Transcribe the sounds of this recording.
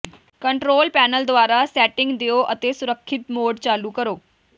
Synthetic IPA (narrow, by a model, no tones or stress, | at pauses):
kəɳʈɾoːlpɛːnəld̪ʋaːɾasɛːʈɪ̃ŋɡd̪ejoʔət̪esʊɾəkʰːɪt̪moːɖt͡ɕaːlukəɾoː